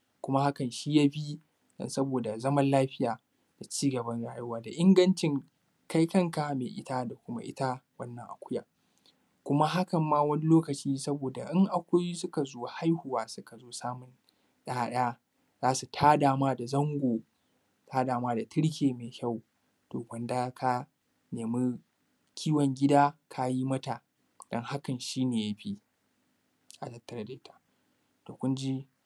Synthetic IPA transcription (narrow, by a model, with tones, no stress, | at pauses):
kʷʊ˦ma˦ha˦kɐ˨nʃi˦ja˦bi˦ | dɐ̰˨nsɐ˦boː˨da˨zɐ˦mɐ˦nlaː˦ɸɪ˦jaː˨ | d̥a˨t͡ʃiː˦ɡɐ˨bɐ˦nɽaː˦jʊ˦waː˦˨da˨ʔɪ˦ŋɡɐ˦nt͡ʃɪ˦ŋ | ka˦jkɐ˦ŋka˨meː˨ʔɪ̰˦ta˦da˨kʷʊ˦ma̰˦ʔɪ̰˦ta˦wɐ˦nːɐ˨ŋʔa̰˨kʷʊ˦ja̰ː˨ | kʷʊ˦ma˦ɦa˦kɐ˨mːaː˦wɐ˦ni˦loː˦kɐ˨t͡ʃiː˦sɐ˦boː˨da˨ʔɪ˦ŋʔa˨kʷʊ˦ji˦sʊ˦ka˨zoː˦ha˦jhʊ˨waː˦sʊ˦ka˨zoː˦saː˦mʊ˨n | ɗa˦ɗɐ˦ja˦ | zaː˦su˨tʰaː˦daː˨maː˦da˨zɐ˦ŋɡʷoː˨ | tʰaː˦daː˨maː˦da˨tʰɪ˦ɽk̬ʲeː˨me˨kʲa˦˨w | toː˨ɡɐ˨nda˦kʰa˦ | neː˨mi˦ | kʲʰiː˦wɔ˨ŋɡʲɪ˦daː˦kʰa˦ji˦mɐ˦ta˨ | d̥ɔ˦ŋha˦kɐ˨nʃiː˦neː˨ja˦ɸi˦ | ʔa˨tɐ˦tːɐ˨ɾɐ˦da˦tʰḁ˨ | to˨kʷʊ˦nd͡ʒi˦